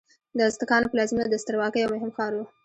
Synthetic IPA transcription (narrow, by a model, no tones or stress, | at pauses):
d̪əzt̪əkɑnopəlɑzimad̪əst̪əɾwɑkəjawmʊɦɪmxɑɾwu